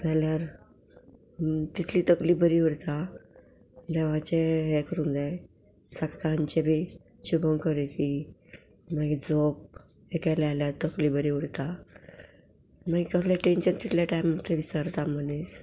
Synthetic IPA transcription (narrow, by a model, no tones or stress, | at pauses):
d͡zaljaɾ | t̪it̪ʰliːt̪əkliːbəɾiʋəɽt̪a | d̪ɛʋãt͡ɕeɦɛkəɾũnd̪aj | saksaɲt͡ɕebi | ɕubəŋkəɾek̪i | maɡid͡zop̚ | ekaljaljaɾt̪əkliːbəɾiʋəɽt̪a | maɡikəslaʈenɕənt̪it̪ʰljaʈajmət̪ːeʋisaɾt̪amənes